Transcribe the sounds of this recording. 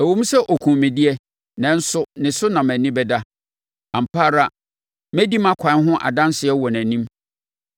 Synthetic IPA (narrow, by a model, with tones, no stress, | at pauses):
æ˨wõ˦m̩˦sɛ˦ʔɔ˨kʰũ˨mɪ̃˨dɪ˦ɛ˦ | nɛ̃˨n̩˦sʊ˦nɪ̃˨sʊ˦nã˨mæ̃˨nɪ̃˦bɛ˦da˦ | ã˨m̩˨pʰaː˦ɾa˦˨ | mɛ˦di˦mã˦kʷʰã˨˦n˦ɦʊ̃˦ʔa̰˨dã˦n˦sɪ˨˦ɛ˦wɔ˨næ̃˨nĩ˦m